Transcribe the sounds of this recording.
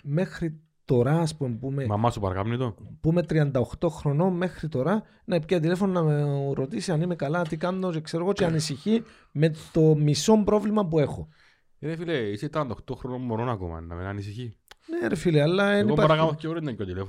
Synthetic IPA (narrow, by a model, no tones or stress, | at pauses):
me̞xɾi | t̪o̞ɾɐːspumpumemɐmɐsupɐɾɐ̰kamnit̪opume̞t̪ɾiɐnd̪ɐoxt̪o̞xɾo̞no̞me̞xɾit̪o̞ɾɐ | nɐepciɐt̪̬ilefo̞nonɐmeɾo̞t̪isiɐnime̞kɐlɐt̪ikɐnnot͡ʃekse̞ɾoɣo̞t͡ʃeɐnisiçi | me̞t̪o̞miso̞mbɾo̞vlimɐpue̞xo | ɾefileiseit̪ɐnd̪ɐoxt̪oxɾonommoɾonɐko̰mɐ̰nnɐ̰menɐnisiçineɾefileɐlːɐeniɐɐɾakamɐθceoɾinɐkːot̪ilefo